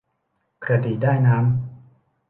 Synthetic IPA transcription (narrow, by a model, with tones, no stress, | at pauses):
kɾa˧diː˨˩daː˥˩jnaː˦˥m